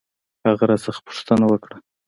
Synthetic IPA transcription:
haɣaɾasəχpʊ̥ʂt̪ənawəkɽa

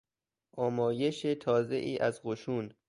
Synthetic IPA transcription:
ʔɒːmɒːje̞ʃet̪ʰɒːze̞ʔiːʔæzɢoʃuːn

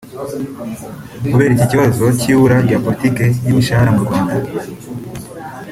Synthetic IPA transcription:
kuβe̞ːɾiciciβazo̞ciːβuɾaɡapoɾitike̞jimiʃahaɾamuɾɡwaːnda

